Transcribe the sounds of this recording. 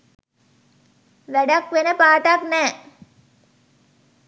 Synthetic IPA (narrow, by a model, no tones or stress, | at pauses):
ʋæɖakʋenəpaːʈ̪aknɛː